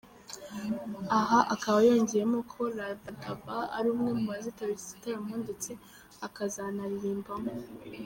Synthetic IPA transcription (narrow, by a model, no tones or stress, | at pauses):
aɦaʔakaβajo̞ːɲɟeɾemokʰo̞ɾadatavaa̰ɾuːmŋe̞muβazitaβisi̥taɾemuːndet͡se | akazanaɾiɾiːmbamo